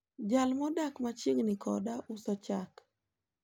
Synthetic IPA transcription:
d͡ʒalmɔdakmat͡ʃiŋnikʰɔ̰daʔusɔt͡ʃak

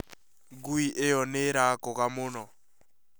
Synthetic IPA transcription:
ɡuiʔejɔneɾakɔkamʊːnɔ

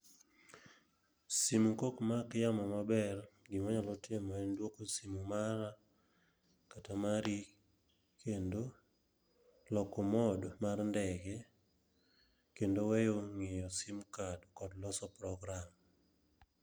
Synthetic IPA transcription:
simukokmakjamɔmabɛrɡɪmaɲalɔtɪmɔɛndwokosimumaɾa | katamaɾi | kʰendo | lɔkɔmɔdmarndɛɡɛ | kendowɛjoŋɪjɔsimkadkɔdlɔsɔpɾɔɡɾam

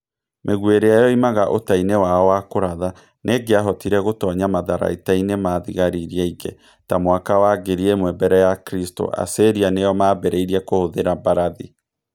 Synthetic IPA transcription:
mʔeɣweɾeajɔimaɣaʔotainewaɔwakoɾaða | nʔeɡeaɦɔtiɾɛɣotɔɲamaðaɾa̰itainemaðiɣaɾiɾiɛiɣɛ | tamwakawaɡeɾiemwɛbɛɾɛjakɾisto̰ʔa̰seɾianejɔmaːbɛɾɛiɾiɛkohoðeɾabaɾaði

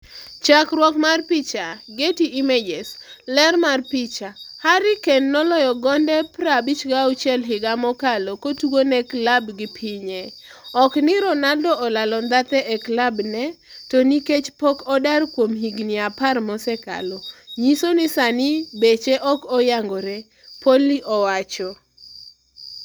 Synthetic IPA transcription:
t͡ʃakɾwɔkmarpɪt͡ʃaɡetiʔimed͡ʒeslɛrmarpɪt͡ʃahaɾɪkenːɔlɔjɔɡɔndɛpɾabit͡ʃɡaut͡ʃɛlɦɪɡamɔkalokotuɡonɛklabɡɪpʰiɲɛ | ɔknɪɾɔnadɔɔlalɔnd̪at̪ɛʔɛklabnɛ | toniket͡ʃpɔkɔdarkwomhiɡnɪaparmɔsɛka̰loɲisonɪsanɪbet͡ʃeʔɔkɔjaŋɡɔɾɛ | poliʔɔwat͡ʃɔ

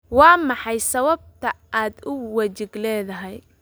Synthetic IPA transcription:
wɑːmɑħɑjsɐβɐb̚t̪ʰɐ | aːd̪ʊwɐt͡ʃɪɡlɛːðɐɦɛj

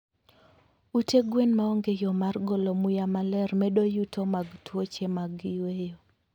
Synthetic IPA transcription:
uteɡwenmaɔŋɡejɔmarɡɔlɔmujamalɛrmɛɗojutʰomaɡtwot͡ʃemaɡɪwejo

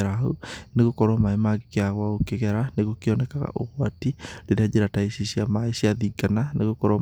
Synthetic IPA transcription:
ɛɾaoneɣokɔɾwɔmaemaɣikeaɣwaɣokeɣɛɾaneɣokiɔnɛkaɣa̰ʔoɣwatileɾead͡ʒeɾataisisiamaesiaðiɡananeɣokɔɾɔ

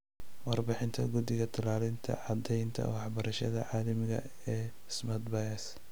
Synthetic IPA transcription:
wɑrbɪħɪnt̪ʰɐɡʊd̪ɪɣɐt̪ʰɐlaːlɪnt̪ʰɐ̰ʕɑd̪ɛjnt̪ʰɐ̰wɑħbɐɾɐʃɐðɐʕɑːlɐmɪɣɐ̰ | ɛː | smɐt̪bajɐs

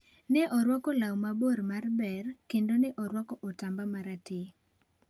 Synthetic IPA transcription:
nɛʔɔɾwɔkɔlawmaboɾmarbɛrkendonɛʔɔɾwɔkɔʔɔtambamaɾatɪ

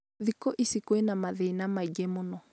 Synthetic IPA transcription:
ðikoʔisikoinamaðeinamaiɡemonɔ

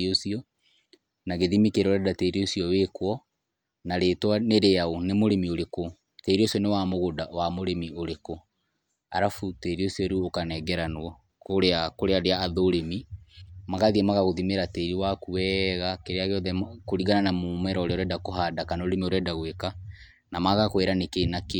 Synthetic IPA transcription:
osiɔ | naɣeðimikeɾoɾɛdateɾiosiɔwekwɔ | naɾetwaneɾeaonemoɾemioɾeko | teɾiosiɔnewamoɣodawamoɾemioɾeko | a̰ɾafuteɾiosiɔɾuokanɛɡɛɾanwɔ | koɾeakoɾeaɾeaːðoɾemimaɣaðiɛmaɣaɣoðimeɾateɾiwakuwɛɣakeɾeaɣeɔðɛkoɾiɣananamomɛɾɔɾeɔɾɛdakoɦadakanoɾemioɾɛdaɣweka | namaɣakweɾanekenake

